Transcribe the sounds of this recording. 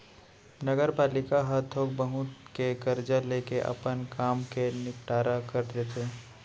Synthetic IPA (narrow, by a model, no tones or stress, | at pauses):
nəɡəɾpaːlɪkaɦət̪ʰoːk̚bəɦũt̪keɡəɾd͡ʒaleːkeʔɐ̰pənkaːmkenɪkʈaːɾakəɾd̪eːt̪ʰeː